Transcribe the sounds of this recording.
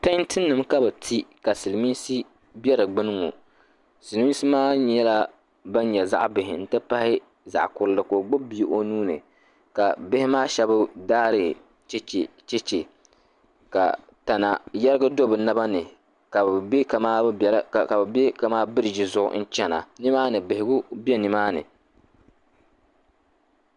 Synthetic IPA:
ta˦ntʰɨ˦nːɨ˨mka˦bɨ˨tʰi˦ka˨sɨ˨lmi˦nsi˦ | bɛ˦ɾɨ˨ɡ͡bɨ˦nɨ˦ŋo̰˨ | sɨ˨lmi˦nsi˦maː˦ɲ˦ɛ˦la˦ | ba˦ɲɲɛ˨za̰˦ʔbɪ˨ɦɪ˨n̩˦tɨ˦pa˦hɪ˦ | za̰˨ʔkʊ˨ɾlɨ˦ko˨ɡ͡bʊ˦bbi˦ʔo˦nuː˦nɨ̰˨ | ka̰˨bɪ˦hɪ˦maː˦ʃɛ˦bʊ˦daː˦ɾɨ˨ | t͡ʃt͡ʃ | t͡ʃɛ˦t͡ʃe˨ | ka̰˨ | ta˨na̰˨jɛ˦ɾɨ˦ɡa˦do˦bɨ˨na˦ba˦nɨ˨ | ka˨bbɪ˦ka˨aː˦˨˦ka˨bɨ˨be˦ka˨maː˦bɨ˦ɾɪ˨ʒɪ˨zʊ˦ʔʊ̰˦n̩˦t͡ʃɛ˦na̰˨nɪ˦maː˦nɨ˨bɪ˨hɪ˨ɡʊ˦bi˦ɛ˦nɨ˨maː˦nɨ̰˨

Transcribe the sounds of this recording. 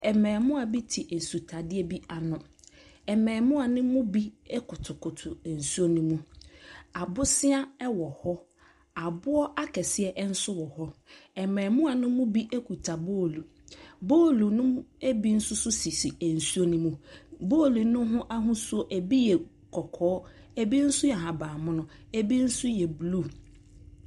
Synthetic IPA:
ɛ˨mɛ̃ː˨mʊ̃˦a˨bi˦tʰi˨ʔe˨su˨tʰa˨dɪ˦ɛ˦bi˦a˨nʊ̃˨ | ɛ˨mɛ̃ː˨mʊ̃˦a˨nʊ̃˦mʊ̃˦bi˦ɛ˦kʰʊ˨tʰʊ˨kʰʊ˨tʰʊ˨e˨n̩˨su˦o˦nũ˦mũ˦ | a˨bʊ˦sɪ˦a˦ɛ˦wɔ˨hɔ˦ | a˨bʊ˦ɔ˦ʔa˦kʰɛ˨sɪ˦ɛ˦ʔn̩˦sʊ˦wɔ˨hɔ˦ɛ˨mɛ̃˨mʊ̃˦a˨nʊ̃˦mʊ̃˦bi˦ʔe˦kʰu˨tʰa˨boː˦˨lu˨ | boː˦˨lu˨nʊ̃˦e˦bi˦n̩˦sʊ˦sʊ˦si˨si˨e˨n̩˨su˦o˦nũ˦mũ˦boː˦˨lu˨nʊ̃˦ɦʊ̃˦ʔa˦ɦʊ̃˦so˦ʔe˨bi˦jɛ˨ | kʰɔ˨kʰɔː˨˦ | e˨bi˦n̩˦sʊ˦jɛ˨ɦã˨baː˨mʊ̃˦nʊ̃˦e˦bi˦n̩˦sʊ˦jɛ˨blu˦˨

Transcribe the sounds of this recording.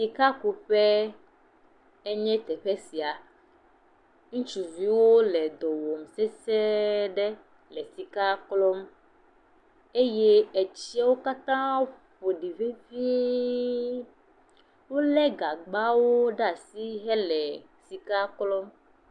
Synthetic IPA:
si˨ka˦ku˨ɸɛ˦ | e˦ɲɛ̃˦t̪ɛ˨ɸɛ˦si˨a˨ | ŋũ˦t͡ʃu˨vi˨˦wo˦lɛ˨d̪ɔ˨wɔ˨msɛ˦sɛ˦ɖɛ˦ | lɛ˨si˨ka˦klɔ˦m | e˦je˦e˨t͡ɕi˦a˦wo˦ka˦t̪ã˦ɸo˨ɖi˨ve˦vi˦ | wo˦lɛ˦ɡa˨ɡ͡ba˦wo˦ɖa˦˨si˦ɦɛ˦lɛ˨ | si˨ka˦klɔ˦m

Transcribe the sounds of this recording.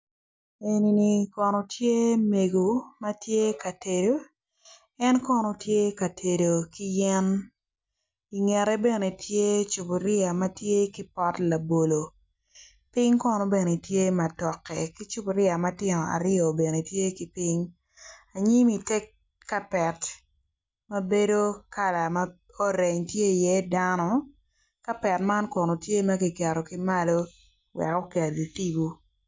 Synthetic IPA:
e˨ni˨ni˨kɔ˨nɔ˨tje˦me˨ɡo˨mɐ˦tje˦ka˨te˨do˦ | ɛ˦nkɔ˦nɔ˨tje˦ka˨tʰe˨do˨ki˦jɛ˦n | i˨ŋɛ˨ɾɛ˦be˦˨ne˨tʰje˦t͡ʃu˨bo˨ɾɪ˦a˨mɐ˦tje˦ki˦pɔ˦tla˨bo˨lo˨ | pɪ˦ŋkɔ˦nɔ˨be˨ne˨tje˦ma˨tɔ˨kːɛ˨ki˦t͡ʃu˦bo˨ɾɪ˦a˨mɐ˦tɪ˦nɔ˨a̰˨ɾɪ˦o˨be˨ne˨tje˦ki˨pɪ˦ɲ | a˨ɲi˦mi˨te˦kː | a˦pɛ˨t | mɐ˦be˦do˦ka˦la˨mɐ˦ | o˦ɾe˨ɲtje˦i˨jɛ˦da˦nɔ˦ | ka˦pɛ˨tma˦nkɔ˨no˨tje˦mɐ˦ki˨kɛ˨ɾo˨kɪ˦ma˦lo˦ | wɛ̰˨kɔ˦ka˨di˨ti˦bu˦

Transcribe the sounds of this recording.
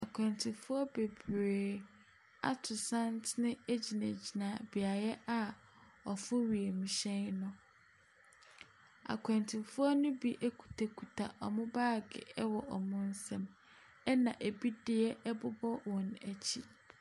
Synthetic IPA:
a˨kʰʷɛ̃˨ntʰɪ˨fʊ˦ɔ˦be˨bɾeː˨ | a̰˦tʰʊ˨sã˦ntnɪ̃˦e˦d͡ʑi˨nã˨d͡ʑi˨nã˨bi˨a˨jɛ˦ʔa˨ | ɔ˨fʊ˦ɥi˨e˨mĩ˨ɕɛ̃˦nnʊ̃˨ | a̰˨kʰɛ̃˨ntʰɪ̃˨fʊ˦ɔ˦nʊ̃˦bi˦ʔe˦kʰu̥˨tʰa˨kʰu˨tʰa˨ʔɔ˨mʊ̃˦baː˦˨ɡɪ̰˨ɛ˦wɔ˨ʔɔ˨mʊ̃˦n̩˦sɛ̃˨m | ɛ˦nã˨ʔe˨bi˦dɪ˦ɛ˦ʔɛ˦bʊ˦bɔ˦wɔ̃˨næ˨t͡ɕʰi˦

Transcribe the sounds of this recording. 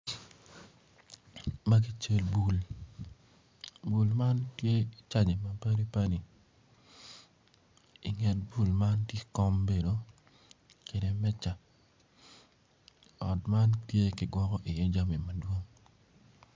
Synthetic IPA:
ma˦k̬i˦t͡ʃe˦lbu˨l | bu˨lma˦ntje˦˨t͡ʃa˦ɲe˨ma˨pa˦ni˦pa˦ni˨ | i˨ŋɛ˨t̚bu˦˨lma˦ntje˦kɔ˦mbe˨do˨ | ke˨de˨mɛ˦t͡ʃa˨ | ɔ˨tma˦ntje˦kɪ˨ɡwɔ˦kɔ˦ʔɪ˨jɛ˦d͡ʒa˦mi˨mɐ˨dwo˦ŋ

